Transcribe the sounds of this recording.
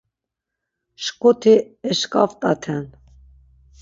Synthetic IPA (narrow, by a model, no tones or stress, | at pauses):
ʃkʼɔt̪ʰi | ɛʃkʼaft̪ʼat̪ʰɛn